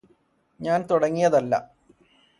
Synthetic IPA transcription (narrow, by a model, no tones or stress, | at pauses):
ɲaːnt̪uɽɐŋːijɐðɐlːɐ̰